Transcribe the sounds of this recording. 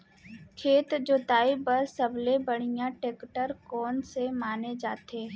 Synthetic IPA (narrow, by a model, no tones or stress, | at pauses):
kʰeːt̪d͡ʒoːt̪aːibəɾsɐblebəɽ̤ɪjãʈeːkʈəɾkɔːnsemaːned͡ʒaːt̪eː